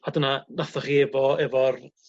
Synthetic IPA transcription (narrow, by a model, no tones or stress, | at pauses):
adənanaθɔχiɛvɔɛvɔr